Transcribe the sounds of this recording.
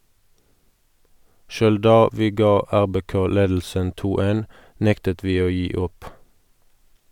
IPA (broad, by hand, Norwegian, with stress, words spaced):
ˈʃøːl ˈdɑː ˈʋiː ˈɡɑː ˈæʁbeːˌkoː ˈleːdl̩sən ˈtuː ˈtɪl ˈeːn ˈnɛktət ˈʋiː ˈoː ˈjiː ˈʊp